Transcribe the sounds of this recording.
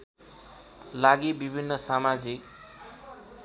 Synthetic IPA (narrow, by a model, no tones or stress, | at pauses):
laɡibibʱinːʌsamad͡zik